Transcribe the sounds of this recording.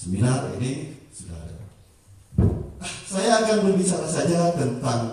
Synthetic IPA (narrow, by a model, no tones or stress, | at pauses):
səminaʔḛnisuda̰ɾa̰ | sajaːkanmənɡisamasad͡ʒat̪ənt̪aŋ